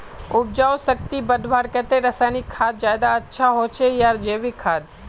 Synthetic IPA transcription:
ʊb̚d͡ʒawsək̚t̪ibəd̪ʱʋaɾkɛt̪eɾəsanikʰad̪̚d͡ʒajd̪aətːʃʰaɦot͡ʃʰejaɾd͡ʒeʋikʰaːd̪̚

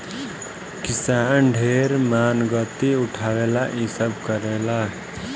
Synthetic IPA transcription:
kɪsaːnɖʱeːɾmaːnɡət̪iʊʈʰaːwelaʔisəbʱkəɾeːla

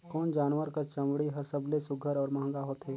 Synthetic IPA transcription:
kɔːnd͡ʒaːnʋəɾkat͡ʃɐ̃mɽiɦɐɾsəblesʊɡʱəɾɔːɾmãɦŋ̆ɡaɦoːt̪ɦɛː

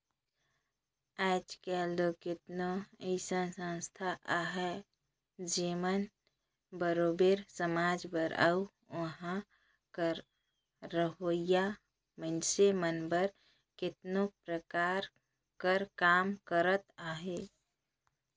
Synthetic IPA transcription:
ɛt͡ʃkɛld̪okɪt̪noəsənsə̃nst̪ʰaʔaɦɛ | d͡ʒemən | bəɾoːbeɾsəmaːd͡ʒbəɾə̰u | əɦã | kəɾː | əɦoija | mənsemənbəɾ | kɪt̪nopɾəkaɾ | kəɾkaːmkəɾət̪aːɦe

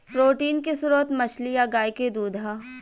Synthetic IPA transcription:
pɾoːʈiːnkisʊɾoət̪mɐt͡ʃlijaɡaːjked̪uːd̪ʱaː

